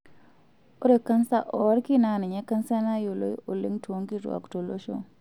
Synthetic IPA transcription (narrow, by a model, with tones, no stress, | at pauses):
o˦ɾe˨kːa˦nsa˦ʔɔ˨˦ɾki˦na˨nɛ˨ɲɛ˦ka˦nsa˦na˦jo˨lo̰˦jo˨lḛ˦ŋtwo˦ŋki˦ɾw̰a̰˨kto˨lo˦ʃo̰˦